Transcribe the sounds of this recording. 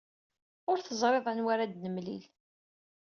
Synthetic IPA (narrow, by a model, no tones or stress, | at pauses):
ʊɾθəzˤɾˤeðˤænwaɾad̪nəmlḭl